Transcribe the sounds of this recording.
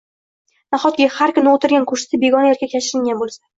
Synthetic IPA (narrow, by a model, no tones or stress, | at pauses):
naχɒt̪kʲɪhaɾkʰʊnɪot̪ɪɾɡʲankʰʊʃɪ̥sɪbe̞ɡɒnajaɾkʲakʲʰat͡ʃʰɪɾɪŋɡʲanbolˠsḁ